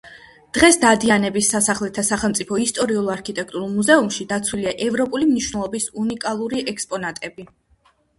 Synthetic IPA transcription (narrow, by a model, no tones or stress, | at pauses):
d̪̥ʁɛsd̪ad̪ianɛbisːasaχlɛt̪ʰasaχɛlˠmt̪sʼipʰɔist̪ʼɔɾiulˠaɾkʰit̪ʼɛk̚ʰt̪ʼuɾulˠmuzɛumʃid̪at̪sʰwiliaʔɛvɾɔpʼulimniʃwnɛlˠɔbisunikʼalˠuɾiʔɛkspʼɔnat̪ʼɛbi